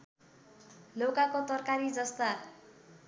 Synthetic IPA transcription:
lokakot̪ʌrkaɾid͡zʌst̪a

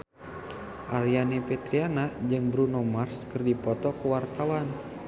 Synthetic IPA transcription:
ʔaɾianipɛt̪ɾianad͡ʒɨŋbɾunɔmarskərdipɔt̪ɔkuwart̪awan

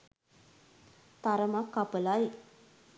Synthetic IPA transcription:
t̪aɾəmakːapəlaj

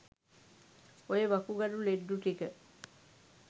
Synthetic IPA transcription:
ojeʋɐkuɡɐɾuleɖːuʈikə

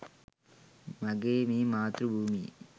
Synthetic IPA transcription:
mɐɡeːmimaːt̪ɾubʱuːmḭ

